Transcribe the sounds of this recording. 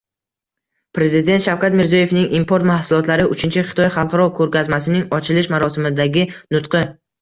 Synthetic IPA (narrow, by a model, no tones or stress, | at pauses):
pɾe̞zɪd̪e̞nt̪ʃawkʲat̪mɪɾziɒje̞fnɪŋimpʰoɾt̪mahsʊlˠɒt̪laɾɪʔʊt͡ʃʰɪnt͡ʃʰɪχɪ̥t̪ɒjχɑlˠqɑɾɒkʰɵɾkʲazmasɪnɪŋɒt͡ʃʰɪlɪʃmaɾɒsɪmɪd̪aɡʲɪnʊt̪qɨ